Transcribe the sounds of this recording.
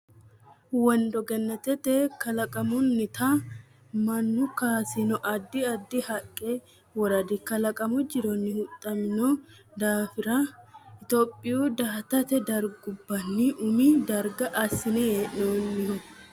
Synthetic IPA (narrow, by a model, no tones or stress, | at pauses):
wɐnd̪ɔɡɛnːɐt̪ɛt̪ɛkɐlɐkʼɐmʊnːɪt̪ʰa | mɐnːʊkaːsɪnɔʔɐd̪ːɪɐd̪ːɪhɐkʼːe | wɔɾɐd̪ɪkɐlɐkʼɐmʊd͡ʒɪɾɔnːɪhʊt̪ʼːɐmɪnɔ | d̪aːfɪɾɐɪt̪oːpʼːɪjuːd̪aːt̪ɐt̪ɛd̪ɐɾɡʊbːɐnːiʔʊmid̪ɐɾɡɐʔɐsɪnɛjeːʔnonːɪhɔ